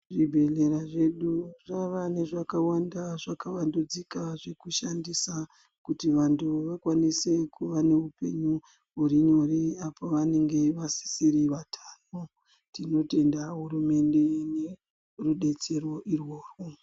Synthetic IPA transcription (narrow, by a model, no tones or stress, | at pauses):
ʐibʱe̞ɮeɾaʐe̞ɗuraʋane̞ʐakawandaʐakaʋandud͡zikaʐe̞kuʃandisa | kutiʋantuʋakwanise̞kuʋane̞upe̞̰ɲu | uriɲo̞riapoʋane̞ŋɡe̞ʋasi̥siɾiʋatʰano | tino̞te̞ndaɦurume̞nde̞ne̞ | ruɗe̞t͡se̞ro̞ʔirwo̞ːrwo